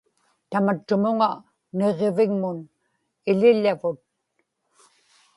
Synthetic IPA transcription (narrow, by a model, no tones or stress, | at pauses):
t̪amat͡ʃːʊmʊŋa | ne̞ʁevɪŋmʊn | ɪlɪʎːavʊt̪̚